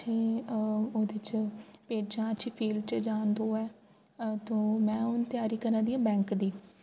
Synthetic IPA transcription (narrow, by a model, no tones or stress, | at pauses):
t͡ʃʰẽː | oːd̪eɪt͡ʃpeːd͡ʒãːət͡ʃʰiːpʰiːlɖt͡ʃd͡ʒaːnd̪oːɛː | t̪õːmɛ̃ːʊnt̪ɪjaːɾiːkəɾãːd̪iːãːbɛ̃ːŋkd̪iː